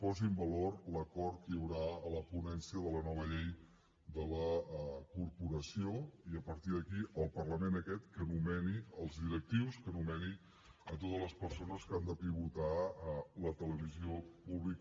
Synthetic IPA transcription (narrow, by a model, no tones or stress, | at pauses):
pɔzimbəlorləkɔɾt̪̚kəjəwɾaələpunɛnsiəðələnɔβ̞əʎej | d̪ələkurpuɾəsioiəpəɾt̪iðəkiʔəlˠpərləmenəkɛt̪kənumɛniəlˠzðiɾək̚t̪iwskənumɛni | ət̪ot̪əzləspəɾsonəskand̪əpiβ̞ut̪alət̪ələβ̞iziopuβlik